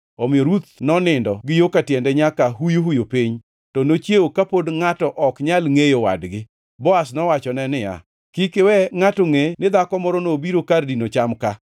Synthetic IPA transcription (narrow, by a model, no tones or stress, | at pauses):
ɔmɪɔɾut̪nɔnɪndɔɡɪjokatjɛndɛɲakaɦujoɦujopiɲ | tɔnot͡ʃjeokapodŋatɔʔɔkɲalŋejowa̰dɡɪ | bɔasnɔwat͡ʃɔnɛnɪja̰ | kikewɛŋatoŋenɪd̪akɔmɔɾɔnobiɾokardinot͡ʃamka